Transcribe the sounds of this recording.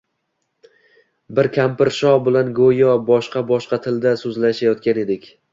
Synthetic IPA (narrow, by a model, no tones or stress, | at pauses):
bɪɾkʲʰampɪɾʃɒbɪlanɡojɒbɒʃqɑbɒʃqɑt̪ʰɪld̪asɵzlaʃajɒt̪kʲane̞d̪ɪkʲ